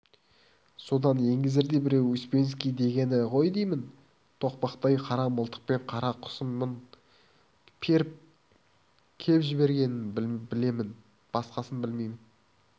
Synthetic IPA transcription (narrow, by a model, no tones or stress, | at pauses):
so̞d̪ɑnje̞ŋɡʲɪzɪɾd̪e̞bɪɾewʏspe̞ns̬kʲijd̪e̞ɡʲe̞nɪqʰo̞jd̪ejmɪn | t̪ʰo̞qpɑqt̪ɑjqʰɑɾɑməlˠt̪ʰə̥q̚pe̞nqʰɑɾɑqʰʊ̥səmmən | pʲʰe̞ɾɪp̚ | kʲʰe̞pʒɪbe̞ɾɡʲe̞nɪnbɪle̞mɪn | b̥ɑsqɑsənbɪlmejmɪn